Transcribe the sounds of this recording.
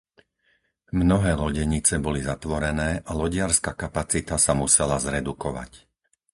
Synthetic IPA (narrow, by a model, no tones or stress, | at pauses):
mnɔɦɛːlɔɟɛɲit͡sɛbɔlizat̪ʋɔɾɛnɛːʔalɔɟɪaɾskakapat͡sit̪asamusɛlazɾɛd̪ukɔʋa̰c